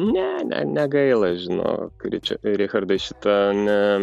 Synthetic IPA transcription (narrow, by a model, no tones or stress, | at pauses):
nʲɛnʲɛ̰nʲɛɡɐɪlˠɐʒʲɪno̰ːkɾʲɪ̰t͡ʃʲɛ̰ɾʲɪxɐrd̪ɐʃʲɪt̪ɐnʲɛ